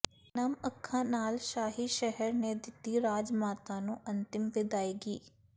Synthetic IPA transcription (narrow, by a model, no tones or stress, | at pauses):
nəməkʰːãːnaːlʃaːɦiːʃɛɦəɾneːd̪ɪt̪ːiːɾaːd͡ʒmaːt̪ãːnũːʔənt̪ɪmʋɪd̪aːiːɡiː